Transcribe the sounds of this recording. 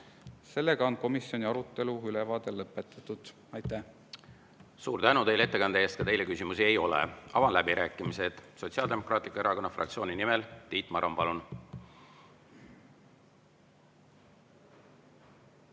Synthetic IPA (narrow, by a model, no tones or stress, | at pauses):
se̞lːe̞ɡ̥ɑo̞nko̞misjo̞nʲiɑɾut̪ˑːe̞luylevɑːd̪̥e̞lːɤpːˑet̪ːˑɑ̥t̪ːud̪̥ | ɑjt̪ːˑæ | suːɾt̪ænut̪e̞jlee̞t̪ːekɑnd̪eeːst̪̚kɑt̪e̞jle̞kysimusie̞jo̞lḛɑvɑnlæbiɾʔæːkːˑimise̞d̪̥so̞t̪ʲsiɑld̪e̞mo̞krɑːt̪likːɑe̞ɾɑko̞nːɑfrʔɑ̰k̚t̪sio̞ːninimelt̪iːt̪ˑmɑɾompɑlun